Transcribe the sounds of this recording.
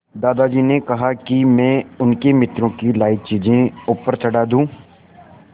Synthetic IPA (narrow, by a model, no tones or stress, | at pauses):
d̪aːd̪ad͡ʒiːnekɐɦakimɛ̃ːʊnkemɪt̪ɾõkilaːɪt͡ʃiːd͡ʒẽuːpəɾt͡ʃɐɽaːd̪ũː